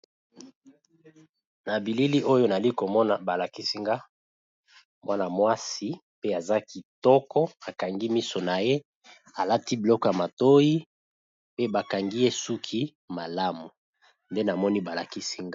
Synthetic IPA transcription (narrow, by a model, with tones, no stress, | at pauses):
na˨bi˨li˦li˦ʔo˦jo˦n˨a˨li˦ko˨mɔ˦na˨ba˨la˨ki˦si˦ŋɡa˦ | mwa˦na˨mwa˦si˦ | pe˦a˨za˦kʰi˨tɔ˦kɔ˦a˨ka˨ŋɡi˦mi˦so˨na˨je˦ | a˨la˦ti˦bi˨lɔ˦kɔ˦ja˨ma˨to˦ji˦ | pe˦ba˨ka˨ŋɡi˦je˦su˦kʰi˦ | ma˨la˦mu˨ | nde˦na˨mɔ˦ni˦ba˨la˨ki˦si˦ŋɡa˦